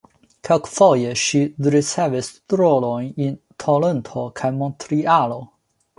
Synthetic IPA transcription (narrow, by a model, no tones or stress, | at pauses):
kʰekfojeʃiɾit͡sevist̪ɾolojnin | t̪ʰolent̪ʰokʰajmont̪ɾialo